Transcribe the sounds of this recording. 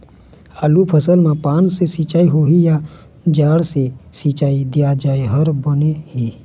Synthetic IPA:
aːlupʰəsəlmãpaːnsesit͡ʃaːiɦoɦija | d͡ʒaːɽsesit͡ʃaːid̪ijad͡ʒaːeɦəɾbənehi

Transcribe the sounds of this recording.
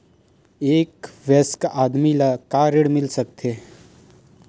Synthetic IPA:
eːkʋɛskʔaːd̪milakaɾeɽmɪlsəkt̪ʰe

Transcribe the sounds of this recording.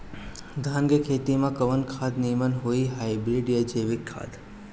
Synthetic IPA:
d̪ʱanɡekʰet̪imãkəʋənkʰad̪nimənɦoiɦaibɪlɖijəd͡ʒeʋɪkʰːa̰d̪

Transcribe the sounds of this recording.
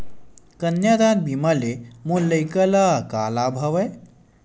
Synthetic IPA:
kənjad̪ad̪bimalemulːɐjkɐlakaːlaːbʱɐʋɐj

